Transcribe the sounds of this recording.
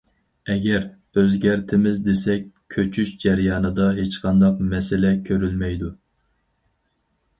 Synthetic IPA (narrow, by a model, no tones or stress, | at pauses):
ɛɡʲɛɾ | øzɡʲæɾt̪ʰɪmɪzd̪esɛkʲʰøt͡ʃʰyʃd͡ʒæɾjɑːnɨd̪ɑɦet͡ʃqʰɑnd̪ɑqmɛsɪlɛkʲʰøɾylmɛjd̪u